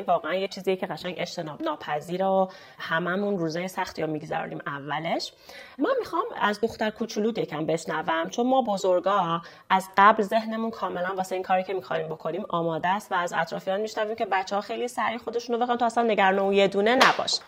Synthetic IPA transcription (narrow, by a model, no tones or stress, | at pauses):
vɒːɣeænjet͡ʃʰiːzijecʰeɣæʃæŋe̞t͡ʃt̪ʰe̞nɒːbnɒːpʰæziːɾeo | hæmæmunruːzejesæxt̪ʰiɾomiɡzæ̰ɾ̰nḭːmævːæle̞ʃmænmixɒmæzd̪o̞xt̪æɾkʰut͡ʃʰuluːd̪jecʰæmbe̞ʃnævæmt͡ʃʰo̞nmɒːbozoɾɡɒː | ʔæzɢæblze̞ɦne̞munkʰɒːme̞lænvɒːseiːnkʰɒːɾiːcʰe̞mixɒ̰niːmbo̞kʰo̞niːmɒːmɒːd̪æːst̪væːzæ̰t̪ʰɾɒːfijɒnmiʃnæviːmcʲʰe̞bæt͡ʃʰːehɒːxejlisæɾixo̞d̪e̞ʃunobe̞xɑnt̪ʰːæsænːeɟæɾnoje̞d̪uːne̞næbɒ̰ːʃ